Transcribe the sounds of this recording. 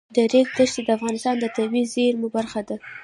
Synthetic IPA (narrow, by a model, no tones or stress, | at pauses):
d̪əɾekd̪əʃt̪ed̪əafɣɑnɪst̪ɑnd̪ət̪awizeɾmubaɾxad̪a